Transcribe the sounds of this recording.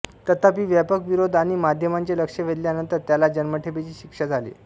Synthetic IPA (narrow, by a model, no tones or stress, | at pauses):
t̪ət̪apiːʋjapəkʋiɾod̪ʱaɽ̃imad̪ʱjəmaɲt͡ɕeləkʂeʋ̤ʱeɽljanənt̪əɾt̪jalad͡ʑənməʈʰepet͡ɕiːɕikʂad͡zʱalḭː